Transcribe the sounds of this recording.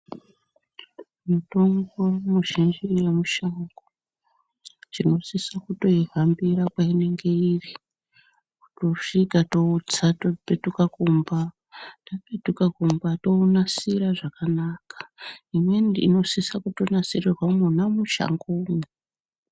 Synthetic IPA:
muto̞ŋɡomuʃind͡ʒijemuʃaŋɡo | t͡ʃino̞sisakuto̞iɦambiɾakwaine̞ŋɡe̞iri | ku̥to̞ʂikato̞ut͡satopetukakumba | tapetukakumbato̞unasiɾaʐakanakḁimwendḭno̞sisakuto̞nasirirwamunamuʃa̰ŋɡome

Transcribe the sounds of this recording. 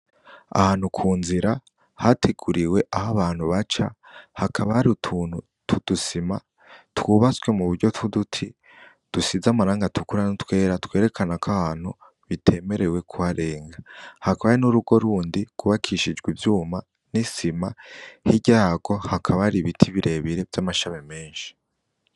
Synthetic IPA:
a̰haːn̥hukʰuːnziɾa | hatʰeɡuɾiwe̞ʔahaβaːn̥huβat͡ʃa̰hakʰaβahaɾiutʰuːn̥hu | tʰud̥usima | twuβat͡swe̞muβuɾɟo̞tʰudutʰi | d̥usizamaɾaːŋɡatukuɾanutwe̞ːɾatwe̞ːɾe̞kʰanakʰahaːn̥hu | βitʰe̞me̞ɾe̞we̞kʰuhaɾe̞ːŋɡahakaβajenuɾuɡo̞ɾuːndiɡ̥uβakʰiʃid͡ʒɡwivjuːma | nisimahiɟaːɡo̞hakʰaβaɾiβitʰiβiɾʔe̞βiɾe̞vjamaʃaβeme̞ːnʃi̥

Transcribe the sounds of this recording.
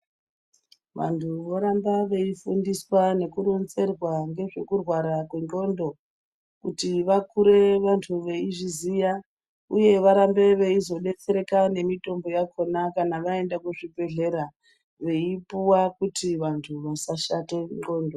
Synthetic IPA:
ʋa̰ntʰuʋo̞ɾambaʋe̞ifundiswane̞kuɾonze̞rwaŋɡe̞ʐe̞kurwaɾakweŋo̞ndo̞ | kutiʋakuɾe̞ʋantʰuʋeiʐizija | uje̞ʋaɾambe̞ʋe̞izo̞ɗe̞t͡se̞ɾe̞kane̞mito̞mbo̞jakʰo̞nakanaʋae̞ndakuʐibe̞ɮe̞ɾa | ʋe̞ipuwakutiʋantʰuʋasaʃate̞ŋo̞ːndo

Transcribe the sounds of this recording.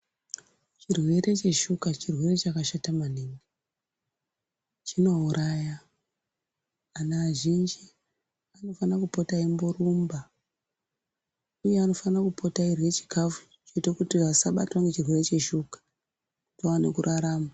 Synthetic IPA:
t͡ʃirwe̞ɾe̞t͡ʃe̞ʃukat͡ʃirwe̞re̞t͡ʃakaʃatamanenɡe | t͡ʃino̞uɾʔaja | naːʒind͡ʒi | ano̞fanakupo̞taimborumba | uje̞ano̞fanakupo̞tairwe̞t͡ʃi̥kʰafu̥ | t͡ʃoitakutiasaɓa̰twaŋɡe̞t͡ʃirwe̞ɾe̞t͡ʃe̞ʃukḁ | utoʋanekuɾʔaɾaːma

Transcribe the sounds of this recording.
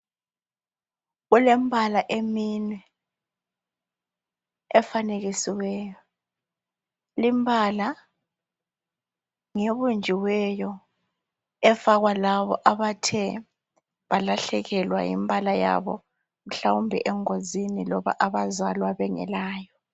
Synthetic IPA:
ɣulɛmbʱalaʔeminwɛ | ɛfaneɣisiwɛːjɔ | limbʱala | ŋeβund͡ʒʱiwɛjɔ | ɛfaɣwalaβɔ̰ʔaβatʰɛ | βalaɬɛɣɛlwa̰jḭmbʱalaja̰βɔ̰ | m̩ɬawumbʱḭʔɛŋozinilɔβa̰ʔaβazalwaβɛŋɛ̰laːjɔ

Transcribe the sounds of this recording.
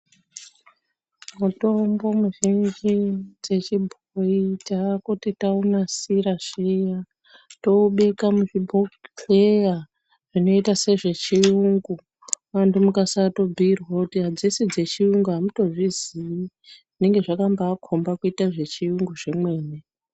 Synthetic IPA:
muto̞mbo̞muʒind͡ʒid͡ze̞t͡ʃibʱoitakutitaunasiɾaʐ̥ija | to̞ɓekamuʐibʱokpʰleja | ʐ̥ino̞itase̞ʐe̞t͡ʃiuŋɡu | wandumukasato̞bʱiirwakutiɦad͡zesid͡ze̞t͡ʃiuŋɡuɦamuto̞ʐizii | ʐine̞ŋɡe̞ʐakambaːkʰo̞mbakuitaʐe̞t͡ʃiuŋɡuʐemwe̞ːne

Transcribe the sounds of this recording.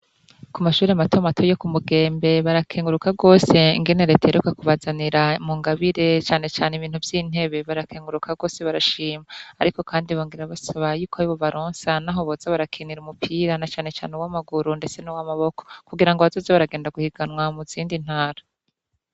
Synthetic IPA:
kumaʃuːɾiamatomatʰo̞jo̞kumuɡe̞ːmbe̞βaɾakʰeːŋɡuɾukaɡo̞ːse̞ḭŋɡe̞ne̞ɾe̞ːtaeɾukakuβazaniɾamuːŋɡaβiɾe̞t͡ʃaːne̞t͡ʃaːneiβiːn̥uvjiːn̥e̞βe̞βaɾakʰeːŋɡuɾukʰaɡo̞ːse̞βaɾaʃiːmaːɾiko̞kʰaːndiβoːŋɡiɾaβasaβajuːkoaɾiβo̞βaɾoːnsanaɦoβozaβaɾakʰiniɾumupʰiːɾanat͡ʃaːne̞t͡ʃa̰ːneuwamaɡuɾunde̞t͡se̞nowamaβo̞kʰokuɡiɾaŋɡoβazo̞ːzeβaɾaɡeːndaɡuhiɡ̥anwamuziːndin̥haːɾa

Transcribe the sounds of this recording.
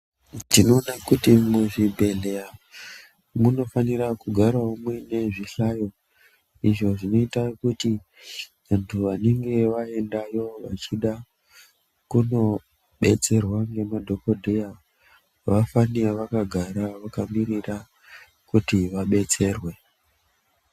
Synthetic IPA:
dino̞ːnakutimuʐibʱe̞ɮeja | muno̞faniɾakuɡʱaɾwaumwene̞ʐiɬajo̞ | iʐo̞ʐino̞itakuti | ʋantʰuʋane̞ŋɡe̞ʋae̞ndajo̞ʋat͡ʃiɗa | kuno̞ | ɓe̞t͡se̞rwaŋɡe̞madʱo̞ko̞dʱeja | ʋafanireʋakaɡʱaɾaʋakamirira | kutiʋaɓe̞t͡se̞ːrwe̞

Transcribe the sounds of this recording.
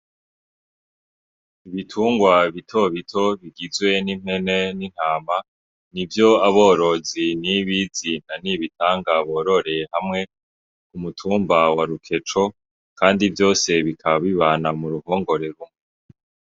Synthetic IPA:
iβitʰuːŋɡwaβitʰo̞βitʰo̞βiɡizwe̞nim̥he̞ne̞nin̥haːma | nivjo̞aβo̞ːɾo̞ziniβizin̥aniβitʰaːŋɡaβoɾo̞ɾe̞hamŋe̞ | kumutʰuːmbawaɾukʰe̞t͡ʃo̞ | kʰaːndivjo̞ːse̞βikʰaβaβiβaːnamuɾuho̞ːŋɡo̞ɾe̞ɾum

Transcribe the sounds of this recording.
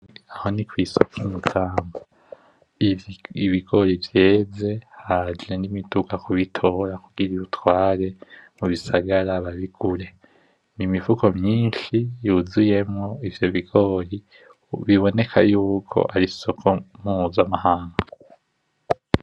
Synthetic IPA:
aho̞nikwiso̞kʰimutʰaːmba | iβiɡo̞ɾivje̞ːze̞had͡ʒenimitukakuβitʰo̞ɾakuɡ̥iɾiβutwaːɾe̞muβisaɡaɾaβaβiɡ̥uɾe̞ | nimivuko̞mjɲiːnʃijuzuje̞mŋo̞ivjo̞βiɡ̥o̞ːɾi | βiβo̞ne̞kʰa̰juːkʰo̞̰ʔaɾiso̞kʰomuzamahaːŋɡa

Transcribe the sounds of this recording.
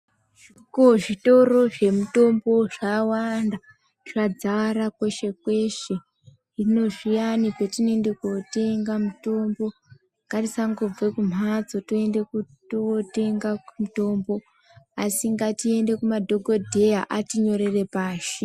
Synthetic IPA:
ʐikoʐito̞ɾo̞ʐe̞muto̞mbo̞ʐawanda | ʐad͡zaɾakwe̞ʃe̞kwe̞ʃe̞ | rino̞ʐijanikwetine̞ndekote̞ŋɡamuto̞mbo̞ | ŋɡarisaŋɡob͡vekum̤ʱad͡zotoe̞nde̞ku | toote̞ŋɡamuto̞mbo̞ | asiŋɡatie̞nde̞kumadʱo̞ɡʱodʱe̞jaʔatiɲo̞ɾe̞re̞paːʃi

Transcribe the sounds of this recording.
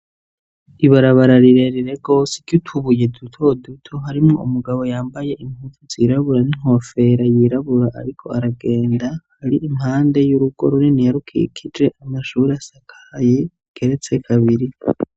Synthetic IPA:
iβaɾaβaɾaɾiɾe̞ɾiɾe̞ɡo̞ːse̥ɟutʰuβuje̞dutʰo̞dutʰo̞ɦaɾimŋoumuɡaβo̞jaːmbaje̞ʔimutʰuziːɾaβuɾaniŋ̥ho̞fe̞ɾajiɾaβuɾaʔa̰ɾikʰo̞̰aɾaɡe̞ːndahaɾiʔimhaːnde̞juɾuɡ̥o̞̰ɾuninijaɾukʰḭkʰid͡ʒe̞ʔamaʃuːɾiasakʰḁje | ɡ̥e̞ɾe̞t͡se̞kʰaβiɾi

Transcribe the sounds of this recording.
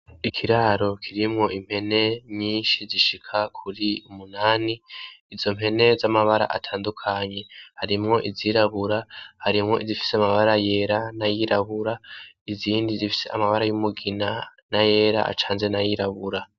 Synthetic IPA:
ikʰiɾaɾo̞kʰiɾimŋo̞ʔim̥he̞ne̞ɲiːnʃiziʃikʰakʰuɾiumunaːniːzo̞m̥e̞ne̞zamaβaɾa̰ʔa̰tʰaːndukʰaɲe̞haɾimŋo̞ʔiziɾaβuɾahaɾimŋo̞̰izifi̥seamaβaɾaje̞ɾanajiɾaβuɾa | iziːndizifi̥se̞amaβaɾajumuɡinanaje̞ːɾa̰ʔa̰t͡ʃaːnzenajiɾaβuɾa

